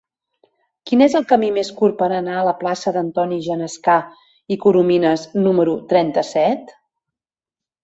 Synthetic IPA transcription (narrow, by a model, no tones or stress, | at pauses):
kinezəlˠkəmimeskurpəɾənaələplasəðənt̪ɔniʒənəska | ikuɾuminəsnuməɾut̪ɾɛnt̪əsɛt̪